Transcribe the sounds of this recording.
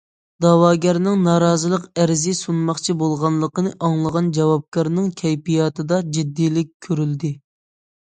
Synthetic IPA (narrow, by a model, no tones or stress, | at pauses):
d̪̥ɑwɑːɡʲæɾnɪŋnɑːɾɑːzɨlˠəqæɾzɪsunmɑχt͡ʃʰibolˠʁɑnlˠəqənɨʔɑŋlˠəʁɑnd͡ʒɑwɑp̚kʰɑɾnɨŋkʲʰɛjpijɑt̪ʰɨd̪ɑd͡ʒid̪ːijlɪk̚ʲkʲʰːøɾyld̪ɪ